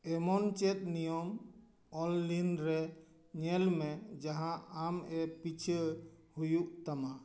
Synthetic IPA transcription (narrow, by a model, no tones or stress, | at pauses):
ɛmɔnt͡ʃɛt̪̚nijɔm | ɔlːinɾɛ | ɲɛlmɛd͡ʒaɦãamɛpit͡ʃʰə | hujuʔt̪ama